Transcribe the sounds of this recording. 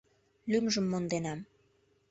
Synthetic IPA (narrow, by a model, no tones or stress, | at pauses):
lymʒə̆mːond̪enɑm